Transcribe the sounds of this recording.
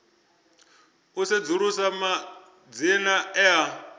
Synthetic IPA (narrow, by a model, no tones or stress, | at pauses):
used͡zuɺusama | d͡zinaɛa